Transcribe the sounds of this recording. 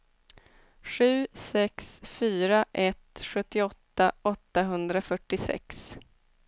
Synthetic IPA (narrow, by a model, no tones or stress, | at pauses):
ɧʉ̟ːsɛksfyːɾaʔɛt̪ɧɵt̪ːɪɔt̪ːaɔt̪ːaɦɵnd̪ɾafœʈːɪsɛ̰ks